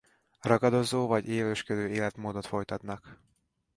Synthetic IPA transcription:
rɒɡɒd̪o̞zoːvɒɟeːløːʃkød̪øːeːlɛt̪moːd̪o̞t̪fo̞jt̪ɒt̪nɒk

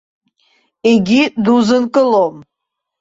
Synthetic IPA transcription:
eɡʲid̪uzɨnkʼɨlom

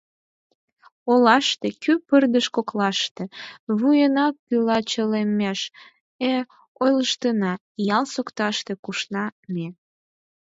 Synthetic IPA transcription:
olɑʃt̪ekypərd̪əʃkoklɑʃt̪eβujənɑk̚ːylɑt͡ɕəlemeʃ | e | ojləʃt̪ənɑ | jɑlsokt̪ɑʃt̪ekuʃnɑme

